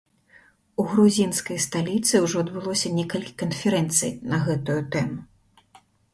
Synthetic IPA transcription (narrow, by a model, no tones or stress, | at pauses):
uɣɾuzʲinskɐjst̪alʲit̪sɨwʐɔɐd̪bɨlˠɔsʲɐnʲɛkɐlʲkʲi̥kɐnfʲɛɾɛnt̪sɨ̰jnɐɣɛt̪ujut̪ɛmu